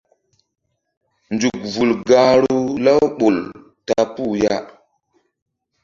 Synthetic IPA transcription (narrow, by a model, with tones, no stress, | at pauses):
nd͡ʒu˨k̚vu˨lɡa˨ɾu˦la˦wɓo˨l | ta˨pu˦˨ja˦